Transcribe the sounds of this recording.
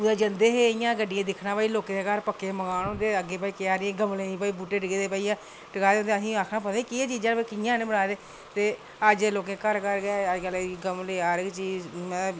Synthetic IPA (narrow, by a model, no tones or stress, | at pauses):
ʊd̪eːd͡ʒənd̪eːɦeːɪjãːɡəɖːɪjãːd̪ɪkʰnãːpaːiːloːkẽːd̪eːkaːɾpəkːeːməɡaːnõnd̪eːəɡeːpaːiːkɪaːɾɪẽːɡəmleːnĩːpaːiːbuːʈeːɖəɡeːd̪eːpaːijãː | ʈəkaːeʊnd̪eəsĩːaːkʰnaːpəd̪aːiːkɪeːt͡ʃiːd͡ʒãːpaikɪjãːnẽːbəɽaːd̪eː | t̪eː | əd͡ʒeːloːk̬ẽːkəɾkəɾɡaəd͡ʒɡəlɡəmleːaːɾt͡ʃiːmɛ̃ː